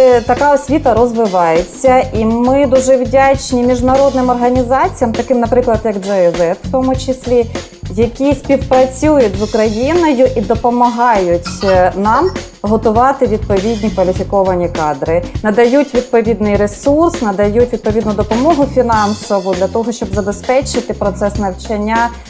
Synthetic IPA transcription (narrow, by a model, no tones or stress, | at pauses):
t̪ɐkɑɔsʲʋʲit̪ɐɾɔzʋɪʋɑjet͡sʲːɐimɪd̪uʒɛwdʲat͡ʃnʲimʲiʒnɐɾɔd̪nɪmɔrɦɐnʲizɑt͡sʲijɐmt̪ɐkɪmnɐpɾɪklˠɐd̪jɐɡd͡ʒɛɛzɛfw̥t̪ɔmʊt͡ʃɪsʲlʲi | jɐkʲisʲpʲiwpɾɐt͡sʲujʊtʲzʊkɾɐjinɔjʊʔid̪ɔpɔmɐɦɑjʊtʲnɑm | ɦɔt̪ʊʋɑt̪ɪʋʲid̪̚pɔʋʲidʲnʲikʋɐlʲɪfʲikɔʋɐnʲikɑd̪ɾɪnɐd̪ɐjutʲʋʲid̪̚pɔʋʲid̪nɪjɾesursnɐd̪ɐjutʲʋʲid̪̚pɔʋʲid̪nʊd̪ɔpɔmɔɦʊfʲinɑnsɔʋʊd̪lʲɐt̪ɔɦɔʃt͡ʃɔbzɐbespɛt͡ʃɪt̪ɪpɾɔt̪sɛsnɐwt͡ʃɐnʲːa